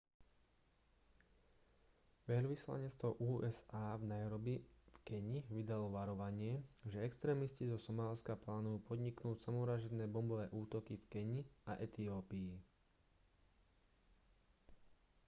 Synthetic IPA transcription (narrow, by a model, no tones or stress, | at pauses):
ʋɛʎʋisla̰ɲɛt͡st̪ʋɔʔuːʔɛzaːvnajaɾɔbifkɛɲiʋid̪alɔʋaɾɔʋaɲɪɛʒɛɛkst̪ɾɛːmiscizɔsɔmaːlskaplaːnujuːpɔd̪ɲiknuːcsamɔɾaʒɛd̪ɛːbɔmbɔʋɛːʔuːt̪ɔkifkɛɲiaʔɛt̪iɔːpiː